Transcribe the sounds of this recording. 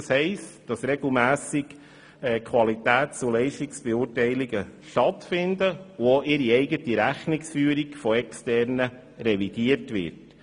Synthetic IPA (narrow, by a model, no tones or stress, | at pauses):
shɛɪstd̥ɑsɾɛɡl̩mæːsɪɡ | ɛkʰχʋɑlitæːtsulɛɪʃtiksb̥ɛuːtɛɪliɡəʃtɑtfɪndəuoʔɪɾiɛɪɡətiɾæχnɪksfyːəɾikfɔɛkstɛɾnə | ɾɛʋid̥iətʋɪ̰ɾt